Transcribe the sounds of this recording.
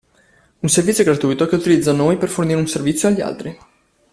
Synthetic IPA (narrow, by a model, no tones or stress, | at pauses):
unservit̪sʲːjoɡɾat̪ujt̪okeut̪ilid̪zːanojperforniɾeunservit̪sːjoaʎːia̰lt̪ɾi